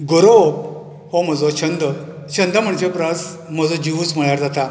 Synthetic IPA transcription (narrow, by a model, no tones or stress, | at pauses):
ɡɔɾɔp | hɔməd͡zɔt͡ɕʰənd̪ə | t͡ɕʰənd̪am̤əɳt͡ɕepɾas | məd͡zɔd͡ʑiʋut͡sm̤əɭjaɾd͡zat̪a